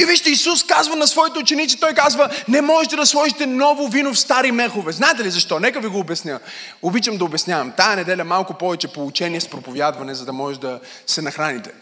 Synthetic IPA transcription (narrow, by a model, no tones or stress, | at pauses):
iviʃt̪ɛisuskazvənɐsvɔit̪ɛt͡ʃɛnit̪t͡ʃ̪it̪ɔjkazvənɛmɔʒɛt̪ɛd̪ɐswɔʒit̪ɛnɔvʊvinofst̪aɾimɛxovɛznaɛt̪ɛlizɐʃt̪ɔnɛkəviɡoːbɛsnʲjə | obit͡ʃɐmd̪ɐʊbɛsnʲjavɐmt̪ajɐnɛd̪ɛlʲɐmalˠkʊpɔvɛt͡ʃɛpolˠut͡ʃɛniɛspɾopovʲjad̪vɐnɛzɐd̪ɐmɔʒɛʒd̪ɐ | sɛnɐxɾanit̪ɛ̥